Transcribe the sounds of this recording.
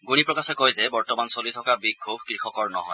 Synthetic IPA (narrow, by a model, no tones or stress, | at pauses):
ɡunipɹɔkasɛkojzɛbɔɹtɔmansolit̪ʰɔkabiɡʱʰubʱkɹixɔkɔɹnɔ̰ɦɔ̰j